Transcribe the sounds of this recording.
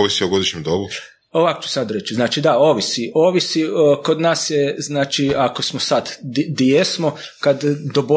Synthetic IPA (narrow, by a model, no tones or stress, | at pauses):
oʋisijoɡo̞d̪iʃɲemd̪obu | oʋako̥t͡ʃu̥sad̪ɾet͡ʃznaːt͡ʃid̪ao̞ːʋisiʔoːʋisiko̞d̪naːsjeznaːt͡ʃiako̞smosad̪d̪ijesmo | kad̪d̪obo